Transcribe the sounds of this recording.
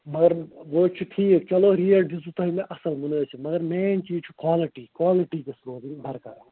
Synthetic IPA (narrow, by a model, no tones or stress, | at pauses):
mɐɡɐɾʋoːt͡ʃʰuʈʰiːkt͡ʃɐloːɾijɐlɖizut̪ɐɦimẽʔɐsɐlmunet͡ʃʰimɐɡɐɾmeːnt͡ʃiːd͡ʒt͡ʃʰu̥kwaːliʈiːkwaːliʈiːkesɾoːziŋbʱɐɾkɐɾ